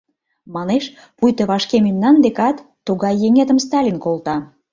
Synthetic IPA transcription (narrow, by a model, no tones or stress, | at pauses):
mɑneʃ | pujt̪əβɑʃkememnɑnd̪ekɑt̪ːuɣɑjːeŋet̪əmst̪ɑlʲinkolt̪ɑ